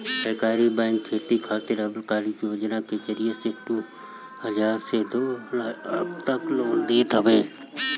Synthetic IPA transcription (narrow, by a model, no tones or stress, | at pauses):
səɾkaːɾibɛ̃ːŋkʰːeːt̪ikʰaːt̪ɪɾɐblkaːɾikjoːd͡ʒnaked͡ʒəɾijeseʈu | həzaːɾsed̪oːlaɐ̰kt̪ɐkloːld̪iːt̪ʰəʋeː